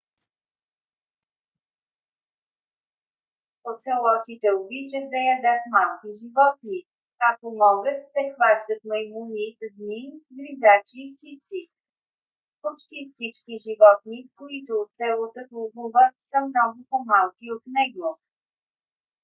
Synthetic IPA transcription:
pot̪sɛlˠɔt̪it̪ɛobit͡ʃət̪̚d̪ɐjɐd̪ət̪malˠkiʒivɔt̪ni | kak̚t̪omɔɡət̪ːɛxvaʒd̪ət̪̚mɐjmunizniɡ̪vizat͡ʃiːpt̪ʲit̪si | pot͡ʃt̪ifsit͡ʃkiʒivɔt̪̚nikoit̪oːt̪sɛlˠot̪oklˠubuvət̪səmnɔɡʊpomalˠkiot̪nɛɡˠo

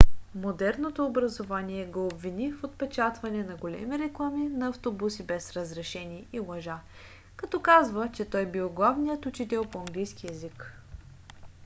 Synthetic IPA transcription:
mod̪ɛɾnot̪oːbɾɐzovaniɛɡoːbvinifot̪̚pɛt͡ʃat̪vɐnɛnɐɡolɛ̰miɾɛklˠaminɐɐft̪obusibɛsɾəzɾɛʃɛniːlˠɐʒa | kɐt̪ɔkazvət͡ʃɛt̪ɔjbiwˠɡlˠavnijət̪ʊt͡ʃit̪ɛlˠpoɐŋɡlijskʲiɛzik

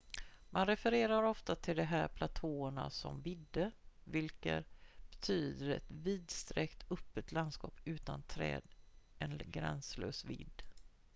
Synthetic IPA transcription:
manɾɛfɛɾeːɾaɾɔft̪at̪ʰɪld̪ɛɦæːɾpʰlat̪ʰoːəɳa̰sɔ̰mvɪd̪ːəvɪlkə̰b̥ɛt̪ʰyːd̪əɾɛ̰t̪viːd̪st̪ɾɛkt̪ʰɵpːət̪land̪skɑːpʉ̟ːt̪ant̪ʰɾɛ̰ːd̪ɛnɡɾɛ̰nsløːsvɪ̰d̪ː

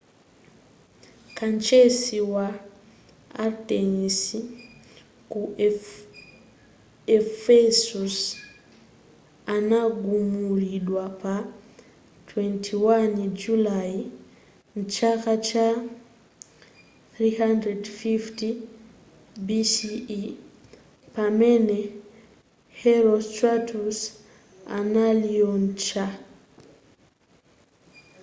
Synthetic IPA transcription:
kʰant͡ʃɛsiwa | a̰ɾtɛnisi | ku | ɛfɛsus | anaɡumuɾiɗwapa | tʰwɛntʰiwand͡ʒulaj | n̩t͡ʃakat͡ʃa | θɹihandɾɛdfifti | bisi | pamɛnɛ | hɛɾɔstatus | a̰naliɔn̩t͡ʃa

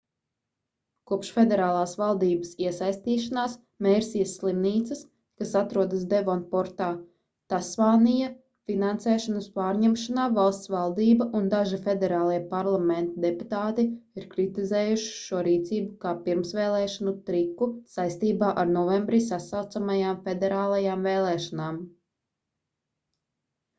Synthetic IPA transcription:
kuɔpʃfed̪ɛɾaːlˠaːsʋalˠd̪iːbɐsiɛsajst̪iːʃanaːs | meːɾsijɐsːlˠimniːt̪sɐs | kasat̪ɾuɔd̪ɐsd̪evɔnpɔɾt̪aː | t̪asʋaːnijɐ | finansɛːʃɔnɐspaːɾɲɛmʃanaːvalˠst̪sʋalˠd̪iːbɐʔund̪aʒifed̪ɛɾaːlˠiɛpaɾlˠament̪ɐd̪eput̪aːt̪iiɾkɾit̪izeːjuʃi̥ʃuɔɾiːt̪siːbukaːpiɾmsʋeːlˠɛːʃanut̪ɾikːusajst̪iːbaːʔaɾnɔvembɾisasawt̪samajaːmfed̪ɛɾaːlˠajaːmveːlˠɛːʃanaːm

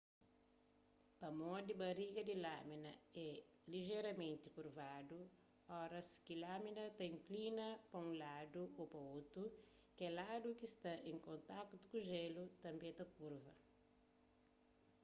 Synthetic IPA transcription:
pɐmɔd̪ibɐɾiɡɐd̪ilaminɐ̰ɛ | liʒɛɾɐmẽnt̪ikuɾvad̪u | ɔɾɐskilaminɐt̪ɐĩŋklinɐpɐũlad̪uopɐot̪ɾu | kɛlad̪ukist̪ɐʔẽŋkõnt̪akt̪u̥kuʒelut̪ɐ̃mbẽt̪ɐkuɾvɐ̰

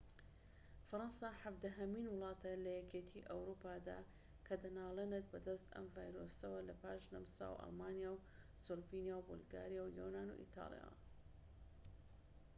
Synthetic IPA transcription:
fɐɾɑnsaːħavd̪ɐɦɐmiːnwʊlˠɑːt̪ʰɐlɐjɛkeːt̪ʰiʔɐwɾupʰaːd̪a̰ː | kʰɐd̪ɐnaːlˠenet̪̚bɐd̪ɐst̪ɐ̰mvaːjɾosɐwɐlɐpʰaːʃnɐmsa̰ːwʔɐ̰lˠmaːnijaw | solvinijawbo̰lɡa̰ːɾijawjo̰naːnṵʔḭt̪ʰa̰ːlˠija̰w

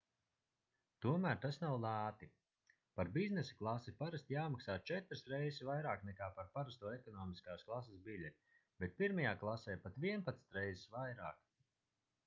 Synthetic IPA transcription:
t̪uɔmæːɾt̪asnawlˠaːt̪i | paɾbiznesḁklˠasipaɾast̪jaːmaksaːt͡ʃɛt̪ɾsɾɛjzsvajɾaːknɛkaːpaɾpaɾast̪uɔɛkɔnɔːmiskaːsklˠas̬esbilʲɛt̪ʲi | bɛt̪̚piɾmajaːklˠasɛːpat̪viɛnpat̪nt̪ɾɛjzisvajɾaːk

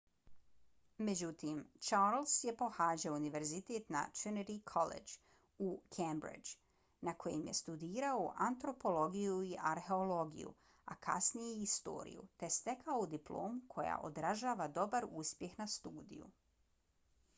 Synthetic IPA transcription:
me̞d͡ʑut̪imt͡ʃaːɾlsjepo̞xaːd͡ʑaouniʋe̞ɾzit̪eːt̪na̰t̪ɾiniɾikʰolḛd͡ʒ | ukʰembɾḭd͡ʒ | nakʰo̞jḛmje̞st̪ud̪iːɾaoʔant̪ɾo̞po̞lo̞ɡijuiʔaɾxe̞olo̞ɡḭjṵ | akʰa̰snijeist̪o̞̰ːɾḭjṵt̪e̞st̪e̞kʰaoud̪iplo̞̰ːmukʰo̞ja̰ʔo̞̰d̪ɾaʒaːʋad̪o̞baɾuspje̞xnast̪uːd̪ḭjṵ

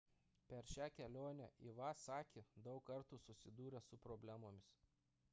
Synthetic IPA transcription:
pʲɛɾʃʲæːkʲɛlʲoːnʲɛ̰ʔiʋɑsɑːkʲeːd̪ɒʊkːɐɾt̪uːsʊsʲɪd̪uːɾʲɛsʊpɾoːbʲlʲæːmoːmʲɪs

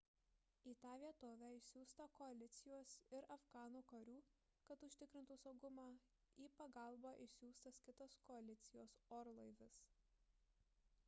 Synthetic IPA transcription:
iːt̪ɑːʋʲiɛt̪oːʋʲæːɪʃsʲuːst̪ɐkɔɐlʲɪt̪sʲɪjoːsɪɾɐfɡɑːnuːkɐɾʲuː | kɐt̪ʊʃʲt̪ʲɪkɾʲɪnt̪uːsɐʊɡʊmɑː | iːpɐɡɑˑlˠbɑːʔɪsʲuːst̪ɐskʲɪt̪oːskɔɐlʲɪt̪sʲɪjoːsɔːɾlˠɐɪʋʲɪs

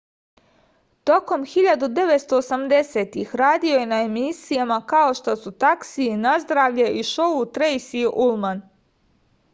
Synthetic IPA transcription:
t̪o̞ko̞mxiʎad̪ud̪e̞ʋet̪st̪o̞ːsamd̪e̞seːt̪ixɾaːd̪ioje̞naemisijamakao̞ʃt̪o̞sut̪aksiːnazd̪ɾaːʋʎeʔiʃout̪ɾejsiʔulman

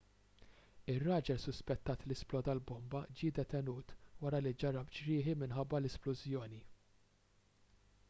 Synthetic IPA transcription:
ɪrːɐːd͡ʒɛlsʊspɛt̪ːɐːt̪lɪsplɔːd̪ɐlbɔmbɐd͡ʒɪːd̪ɛt̪ɛnuːt̪wɐɾɐlid͡ʒɐɾɐpt͡ʃɾɪːħimɪnħɐbːɐlɛsplʊzjɔːni

